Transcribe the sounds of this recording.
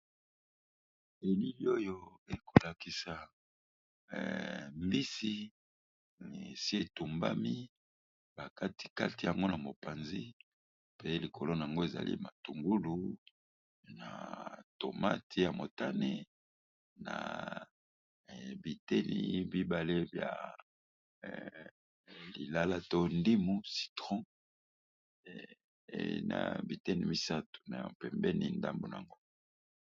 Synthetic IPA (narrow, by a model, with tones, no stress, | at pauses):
e˨li˦li˦o˦jo˦e˨kʰo˨la˨ki˨sa˨ | mbi˦si˦˨ | sje˦tu˨mba̰˦mi˦ | ba˨ka˦ti̥˨ka̰˦ti˨ja˨ŋɡo˦na˨mo˨pa˨nzi˦ | pe˦li˨kʰo˨lo˦na˨a˨ŋɡo˦e˨za̰˨lḭ˦ma˨tu˨ŋɡu˦lu˦ | na̰˨to˨ma̰˦tʰi˦ja˨mo˨ta˦ne˦ | na̰˨ | bi˨tɛ˦nḭ˨bi˦ba˨le˦bja̰˨ | li˨la˦la˦to˦ndi˦mu˦si̥˨tʁɔ̃˦ | ḛ˦na̰˨bi˨tɛ˦ni˨mi˦sa˦tu̥˨na˨pɛ˨mbɛ˦nḭ˨nda˦mbo˨n˨a̰˨ŋɡo˦